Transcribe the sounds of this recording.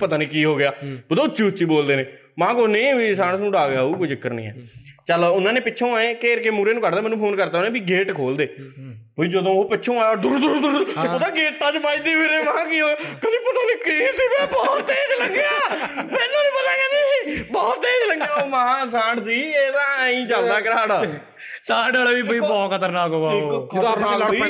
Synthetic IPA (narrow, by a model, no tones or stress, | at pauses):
pət̪aːniːkiːɦoːɡɪjaːbəd̪õːʊtːt͡ʃʃiːʊtːʃiːboːld̪eːneː | mãːkonə̃ːbiːsãːɽsnũːɖaːɡaːuːkoid͡ʒɪkːəɾnḭ̃ːɛ̰ːt͡ʃəlʊnãːneːpɪtːʃʰõːaːẽːkeːɾkeːmuːɾeːnũːkəɾd̪aːmɛːnːũːpʰoːnkəɾt̪aːoːnẽːbiːɡeːʈkʰoːld̪eː | poːid͡ʒəd̪õːoːpɪtːʃʰõːaːjaːd̪ʊɾd̪uːɾd̪uɾot̪ãːɡeːʈːãːt͡ʃpaːĩːd̪iːpeːɾeːmãːkiːɦoːɡjaːkəniːpʊt̪aːniːkiːsiːbɛːbɔːt̪ːeːd͡ʒləŋɡaːmɛːnːõːnĩːbənãːɡaːd͡ʒiːbɔːt̪ːeːd͡ʒləɡaːmããs̬ãːɖs̬iːeːt̪ãːĩːt͡ʃald̪aːkəɾaːɽaː | saːɖaːlːʋiːpoiːbɔːkʰət̪əɾnaːkoːaiːkaɾnaːa